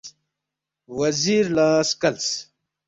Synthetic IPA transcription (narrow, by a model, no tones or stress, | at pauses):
wɐziɾlaːskɐls